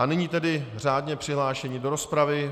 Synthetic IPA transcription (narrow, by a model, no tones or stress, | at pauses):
anɪɲiːt̪ɛdɪr̝aːdɲɛpr̥ɪɦlaːʃɛɲiːdo̞ɾo̞spɾavɪ